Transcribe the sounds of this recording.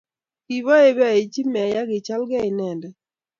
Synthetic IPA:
ki˨βɔ˦e˦ba˨i˨t͡ʃi˦mɛ˨ja˦ɡɪ˨t͡ʃa˦lɡɛ˦ɪ˨nɛ˨ndɛ˨

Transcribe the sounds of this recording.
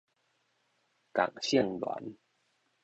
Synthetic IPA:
ka̰˨˩ŋɕjə˥˨ŋlwa̰˨˦n

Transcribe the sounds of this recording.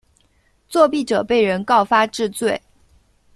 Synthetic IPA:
t͡swɔ˥˧pi˥˩ʈ͡ʂɤ˨˩pe˥˩ɪɻə˧˥nkɑ˥˩ʊfa˥ʈ͡ʂɻ̩˥˧t͡swe˥˩ɪ

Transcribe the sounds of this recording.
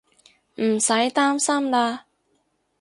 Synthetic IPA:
m̩˨˩sɐ˨˥jt̪aː˥msɐ˥mlaː˧

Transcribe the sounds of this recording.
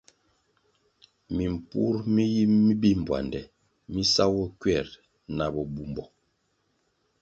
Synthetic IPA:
mi˨m˨pu˦ɾmi˦ji˦mːi˦bi˦m̩˨bwa̰˨ndɛ˨ | mi˦sa˦wɔ˦kɥɛ˦˨ɾ | na˨bɔ˨bu˦mbɔ˨

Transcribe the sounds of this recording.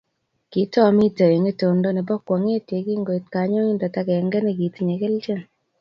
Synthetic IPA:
ki˨˦tɔ˦mi˦te˨e˨ŋe˦to˨ndo˦ne˨bɔ˦kwɔ˨ŋe˦te˨ki˦ŋɡo˨i˨t̚ka˨˦ɲo˦ŋi˦nda˨ta˦kɛ˨ŋɡɛ˦ne˨ki˨ti˨ɲe˨ke˦lt͡ʃe˦˨n

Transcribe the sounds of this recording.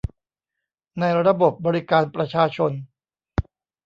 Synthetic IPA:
na˧jɾa˧bo˨˩p̚bɔː˧ɾi˦˥kaː˧npɾa˧t͡ɕʰaː˧t͡ɕʰo˧n

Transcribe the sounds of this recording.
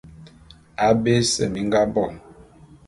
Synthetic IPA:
a˨be˦sɛ̰˦˨mi˨˦ŋ˦ɡa˦bɔ˦˨

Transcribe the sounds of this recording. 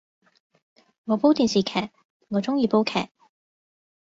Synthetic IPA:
ŋɔː˨˧po˥wt̪iː˨nsiː˨˩kʰɛː˨˩k̚ | ŋɔː˨˧t͡sʊ˥ŋjiː˨˧po˥wkʰɛ̰ː˨˩k̚

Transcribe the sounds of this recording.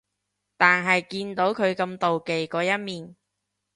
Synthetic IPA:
t̪aː˨nɦɐ˨jkiː˧nt̪o˨˥wkʰɵ˨˧ɥkɐ˧mt̪o˨wke˨jkɔː˨˧jɐ˥t̚miː˨˩n

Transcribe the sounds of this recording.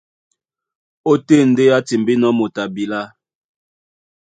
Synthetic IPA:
o˦te˦n̩˨de˦a˦ti˨mbi˦nɔ˦mo˨ta˨bi˨la˦

